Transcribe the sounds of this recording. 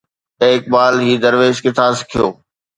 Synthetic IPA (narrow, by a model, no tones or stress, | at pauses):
eːk̚baːlɦiːd̪əɾʋeːʃkɪt̪ʰaːskʰijo̰ː